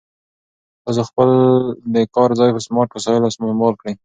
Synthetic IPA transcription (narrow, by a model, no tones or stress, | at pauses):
t̪ɑs̬oxpəld̪əkɑɾzɑjpəsmɑʈwasɑjɪlasmambɑlkɽi